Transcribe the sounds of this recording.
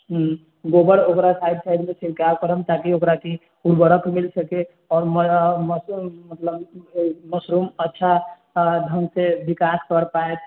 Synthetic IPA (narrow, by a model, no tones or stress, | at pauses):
ɡobəɾokɾasajd̪sajd̪mesiɾkabkəɾəmt̪akiokɾaki | uɾbəɾəkmilsəke | ɔːɾmməmət̪ləbməsɾumətːʃʰa | d̪ʱəŋɡsebikaskəɾpaet̪